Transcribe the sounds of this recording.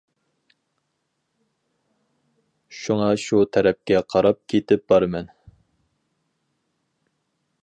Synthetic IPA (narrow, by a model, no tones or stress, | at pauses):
ʃuŋɑʃut̪ʰɛɾɛp̚kʲɛqʰɑɾɑp̚kʲʰet̪ɪp̚bɑɾmɛn